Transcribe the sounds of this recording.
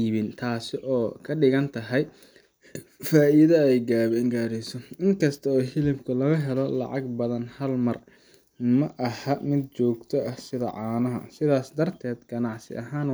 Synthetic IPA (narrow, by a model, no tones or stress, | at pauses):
iːβɪnt̪ʰaːsɪʔɔːkʰɐɖɪɣɐnt̪ʰɐɦɛj | faːʔɪðɐɛjɡaːβɛɪŋɡaːɾɪsɔɪŋkʰɐst̪ʰɐɔːhɪlɪbkʰʊlɐɣɐɦɛlɔlɑ̰ʕɑɡbɐðɐnhɐlmɐr | mɐʔɐhɐmɪd̪̚t͡ʃɔːɡt̪ʰɔʔɐhsɪðɐ̰ʕɑːnɐɦɐ̰sɪðaːsd̪ɐrt̪ʰɛːd̪ɡɐnɑʕsɪ̰ʔɐɦaːn